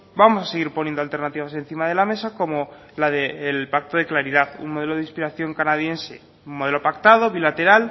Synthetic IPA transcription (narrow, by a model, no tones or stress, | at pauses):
bamo̞saseɣ̞iɾponjend̪alt̪e̞ɾnat̪iβase̞n̟θimað̞e̞lame̞sako̞mo̞ | laðeːlpak̚t̪oðe̞klaɾiðaðṵnmoðe̞loð̞eispiɾaθjo̞ŋkanað̞je̞nse̞̰ | umo̞ð̞e̞lopak̚t̪að̞o̞βilat̪e̞ɾal